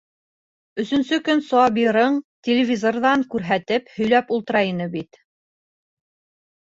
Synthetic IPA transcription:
ɵ̆sɵ̆nsɵkɵnsoɑbiɾɤɴtʲelʲɪvʲizorðɑŋkʉɾɦæt̪ɘphɵ̆jlæpulˠt̪ɤ̆ɾɑjɤnɤbit̪

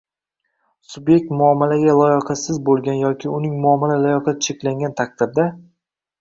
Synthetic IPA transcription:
sʊbje̞k̚t̪mʊɒmːalaɡʲalˠɒjɑqʰɑsɪzbolˠɡʲanjɒkʲʰɪʊnɪŋmʊɒmːalalɒjɒqʰɑt̪̚t͡ʃʰe̞kʲlaŋɡʲant̪ʰak̚t̪ɪɾd̪a

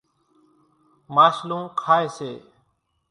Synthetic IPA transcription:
maːʃlũːkʰaːeːseː

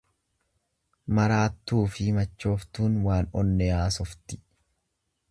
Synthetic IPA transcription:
mɐɾaːt̪ːuːfɪmɐt͡ʃːo̞ːft̪uːnwaːnɔnːɛaːsɔft̪ɪ̥

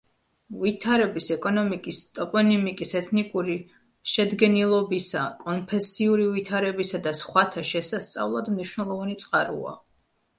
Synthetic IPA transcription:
vit̪ʰaɾɛbisɛkʼɔnɔmikʼist̪ʼɔpʼɔnimikʼisɛt̪ʰnikʼuɾi | ʃɛd̪ɡɛnilˠɔbisa̰kʼɔnpʰɛsiuɾivit̪ʰaɾɛbisad̪asχwat̪ʰaʃɛsast̪sʼa̰vlˠad̪mniʃwnɛlˠɔvanit̪sʼqʼaɾṵa̰

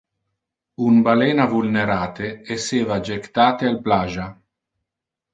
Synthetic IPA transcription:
unbaleːnavulneɾaːt̪eeseːvad͡ʒekt̪aːt̪ealplaʒa

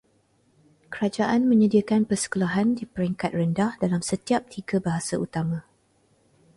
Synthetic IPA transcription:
kəɾad͡ʒaʔanmə̃ɲadiakanpərsə̥kulaɦandipəɾɛŋkat̪̚rəndahdalamsət̪iap̚t̪ʰiɡabaɦasaut̪amã

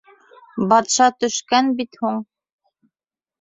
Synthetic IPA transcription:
bɑt̪ʃɑt̪ɵ̆ʃkænbit̪huɴ

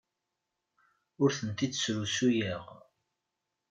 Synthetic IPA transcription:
ʊɾθənt̪id̪sɾusujəʁ

